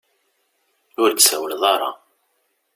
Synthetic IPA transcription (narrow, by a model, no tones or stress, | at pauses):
ʊɾd̪sæwəlðˤɑɾˤɑ̰